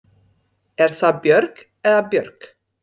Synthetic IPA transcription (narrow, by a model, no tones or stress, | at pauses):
ɛɾ̥θapjœɾk | ɛðapjœɾk